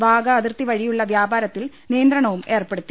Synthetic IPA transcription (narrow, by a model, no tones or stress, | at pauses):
bʱaːɡɐːðirt̪iʋɐɻijuɭːɐʋjaːbaːɾɐt̪ːil | nijɐnd̪ɾɐɳɐʋume̞ːrpe̞ɽut̪ːi